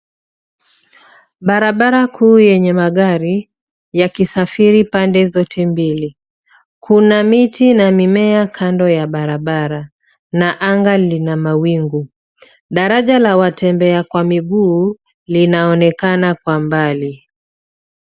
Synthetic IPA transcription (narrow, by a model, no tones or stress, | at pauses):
ɓaɾaɓaɾakʰuːjɛɲɛmaɠaɾi | jakisafiɾipandɛzɔtʰɛmbili | kʰunamitʰinamimɛakʰandɔjaɓaɾaɓaɾa | naʔaŋɡalinamawiŋɡu | ɗaɾaʄalawatɛmbɛakwamiɠuː | linaɔnɛkanakwambali